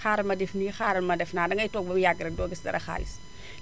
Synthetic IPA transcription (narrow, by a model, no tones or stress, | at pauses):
aːɾɐmɐdɛfnixaɾɐlmɐdɛfnaːdɐŋɐjtɔɡ̚bɐjaɡɾɐdɔːɡɛsdɐ̰ɾɐ̰xa̰ːlḭs